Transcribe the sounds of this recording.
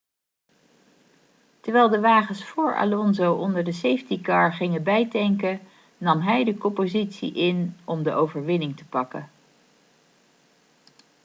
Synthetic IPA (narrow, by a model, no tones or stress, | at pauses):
təɹʋɛlˠdəʋaːχənsfʊːɹa̰lɔnzowʔɔndəɹdəsejftikɑɹχɪŋəbɛjdɛŋkə | nɑmɦɛjdəkɔmpozitsḭʔɪnɔmdəʔowvəɹʋɪnɪŋtəpɑkə̰n